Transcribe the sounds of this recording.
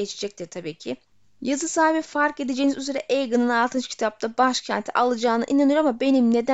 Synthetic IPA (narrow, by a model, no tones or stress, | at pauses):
et͡ʃʰed͡ʒɛc̚t̪ʰiɾt̪ʰabiːcʰɪ | jazɯsaːibifaɾke̞d̪ed͡ʒeːnizyze̞ɾɛʔejɡɯnɯnalˠt̪ʰɯnt͡ʃcʰi̥t̪ʰap̚t̪ʰabaʃcʰænt̪ʰiʔalˠɯd͡ʒaːnɯ̰ʔinanɯjoɾamabe̞nimne̞d̪æ